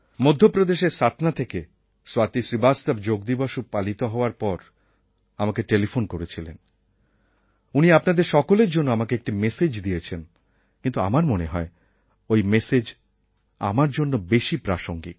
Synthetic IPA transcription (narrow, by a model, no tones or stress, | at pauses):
mod̪ʱːopɾod̪eʃeɾsat̪ʰnat̪ʰeke | swat̪iʃɾibad͡ʑt̪abd͡ʑoɡ̚d̪ibaʃupalit̪oɦɔoaɾpɔɾ | amakeʈelifonkoɾet͡ɕʰilḛn | uniapnad̪eɾʃɔkoleɾd͡ʑonːoamakeek̚ʈimesed͡ʑd̪iet͡ɕʰen | kint̪ua̰maɾmoneɦɔe | ojmesed͡ʑ | a̰maɾd͡ʑonːobeʃipɾaʃoŋɡḭ